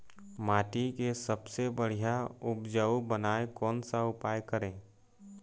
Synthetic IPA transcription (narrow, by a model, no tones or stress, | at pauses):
maːʈikesəbsebəɽ̤ijaʊpd͡ʒəubənaːekɔːnsaʊpaːjkəɾẽː